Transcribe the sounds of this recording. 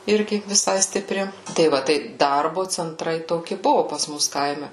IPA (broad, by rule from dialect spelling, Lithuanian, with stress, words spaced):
ˈɪrʲɡʲɪ ʋʲɪˈsɐɪ sʲtʲɪˈpʲrʲɪ tɐɪ ˈʋɐ tɐɪ ˈdɐrbʊ t͡sʲɛnˈtrɐɪ toːˈkʲɪ ˈbʊʋʊ pɐs ˈmʊs ˈkɐɪmʲɛ